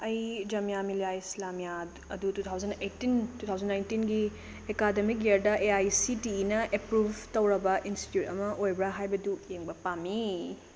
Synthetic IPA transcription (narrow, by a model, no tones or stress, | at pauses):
ɐjd͡ʒɐmijamiljaislamija | ɐdutut̪ʰawzɐnejtːintutʰawzɐnːajntinɡi | ekademik̚ɡeɾdɐʔeajsitiːnɐʔepɾubʱtɐwɾɐbɐʔinsti̥tjutɐmɐʔojbɾɐɦajbɐdujeŋbɐpamːi